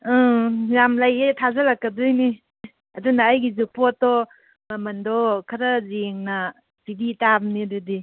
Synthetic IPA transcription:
jamlajetʰazɐlakːɐdujni | ɐdunɐːjɡizupɔtɔ | mɐmɐndɔkʰɐɾɐzeŋnɐ | pibitabnidudi

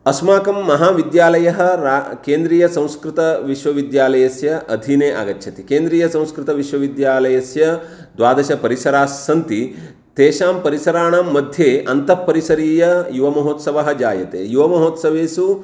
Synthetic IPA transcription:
ɐsmaːkɐmːɐɦaːʋid̪jaːlɐjɐɦɐ̆ɾakeːnd̪ɾiːjɐsɐ̃w̃skɾit̪ɐʋiʃʋɐʋid̪jaːlɐjɐsjɐʔɐd̪ʱiːneːʔa̰ːɡɐtːʃʰɐt̪ikeːnd̪ɾiːjɐsɐ̃w̃skɾɪt̪ɐʋiʃʋɐʋid̪jaːlɐjɐsjɐ | d̪ʋaːd̪ɐʃɐpɐɾisɐɾaːsːɐnt̪i | t̪eːʃaːmpɐɾisɐɾaːɳaːmːɐd̪ʱjeːʔɐnt̪ɐpːɐɾisɐɾiːjɐjuʋɐmɐɦoːt̪sɐʋɐɦɐ̆d͡ʒaːjɐt̪ḛːjuʋɐmɐɦoːt̪sɐʋeːsu

